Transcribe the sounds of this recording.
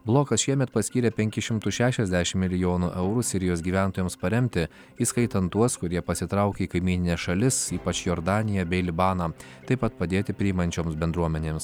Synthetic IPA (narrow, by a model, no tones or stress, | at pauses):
blˠoːkɐsʃʲiɛmʲɛt̪pɐsʲkʲiːɾʲɛpʲɛŋʲkʲɪʃʲɪmt̪ʊʃʲæːʃʲɛzʲd̪ʲæʃʲɪmmʲɪlʲɪjoːnuʔɛʊɾuːsʲɪɾʲɪjoːsɡʲiːʋʲæˑnt̪oːjɛːmspɐɾʲɛmʲt̪ʲɪ | iskɐɪt̪ɐnt̪uɔskʊɾʲiɛpɐsʲɪt̪ɾɐˑʊkʲeiːkɐɪmʲiːnʲɪnʲeːsʃɐlʲɪsiːpɐt͡ʃjoːɾd̪ɑːnʲɪjɛbʲɛɪlʲɪbɑːnɑ | t̪ɐɪpɐt̪̚pɐd̪ʲeːt̪ʲɪpʲɾʲɪɪmɐnʲt͡ʃʲoːmsbʲɛnd̪ɾuɔmʲɛnʲeːms